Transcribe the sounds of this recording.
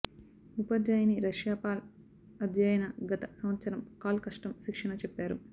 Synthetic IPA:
upɐd͡ʒaːjɐniɾɐʃjaːpaːl | ɐd̪ʱjaːjɐnɐɡɐt̪ɐsɐmɐt̪sɐɾɐmkaːlɐkɐʂʈɐmʃikʂɐɳɐt͡ʃɛpːaːɾu

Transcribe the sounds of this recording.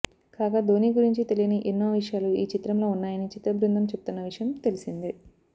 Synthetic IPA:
kaːɡad̪o̞ːniːɡuɾiɲt͡ʃit̪e̞lijɐniʔenːoːʋiʂjaːluiːt͡ʃit̪ɾɐmlo̞ːunːaːjɐnit͡ʃit̪ɾɐbɾind̪ɐmt͡ʃe̞but̪unːɐʋiʂɐjɐmt̪e̞lisind̪i

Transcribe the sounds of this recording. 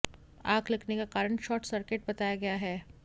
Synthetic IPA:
aːɡlɐkʰnekakaːɾəɳ̃ʃɔːʈsɐɾkeʈ̚bɐt̪aːjaɡɐjaɦɛː

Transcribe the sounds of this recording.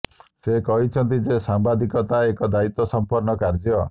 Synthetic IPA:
sekɔɦit͡ʃʰɔnt̪̬id͡ʒesambad̪ikɔt̪aekɔd̪ait̪ɔsɔmpɔɾnɔkaɾd͡ʒjɔ

